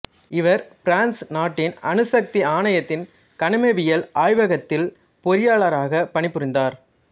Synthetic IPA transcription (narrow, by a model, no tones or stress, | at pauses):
ɪʋɐɾfɾaːnsnaːʈːɪnɐnɯsɐk̚t̪iaːnɐjɐt̪ːɪn | kɐnɐmeʋɪjɐlaːjʋɐɣɐt̪ːɪl | pɔɾɪjaːɭɐɾaːɣɐpɐɳɪpːɯɾɪnd̪aːɾ